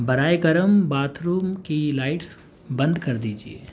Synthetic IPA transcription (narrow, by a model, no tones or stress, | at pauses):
bɐɾaːeɡɐɾəmbaːt̪ʰɾuːmkilaːɪʈs | bɐ̃nd̪kɐɾd̪iːd͡ʒiḛː